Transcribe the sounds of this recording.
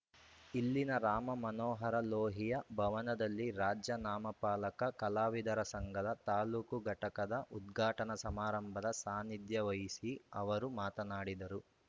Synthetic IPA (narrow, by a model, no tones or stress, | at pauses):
ilːinɐɾaːmɐmɐnɔːɦɐɾɐloːɦijɐbʱɐʋɐnɐd̪ɐlːiɾaːd͡ʒjɐnaːmɐpaːlɐkɐkɐlaːʋid̪ɐɾɐsɐŋɡʱɐd̪ɐt̪aːluːkuɡʱɐʈɐkɐd̪ɐʔud̪ɡʱaːʈɐnɐsɐmaːɾɐmbʱɐd̪ɐsaːnid̪jɐʋɐjisiɐʋɐɾumaːt̪ɐnaːɽid̪ɐɾu